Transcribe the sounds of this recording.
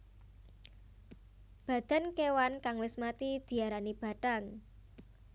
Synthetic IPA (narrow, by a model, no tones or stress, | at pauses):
b̥ä̤d̪̥a̤nkewankaŋwɪsmat̪id̪̥i̤aɾanib̥ä̤ʈa̤ŋ